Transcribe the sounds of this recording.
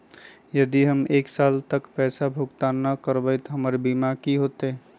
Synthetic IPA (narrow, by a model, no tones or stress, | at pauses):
jəd̪iɦəmeːksaːlt̪əkpɛːsabʱʊɡt̪anəkəɾbəjt̪ɦəməɾebiːmakiɦoːt̪e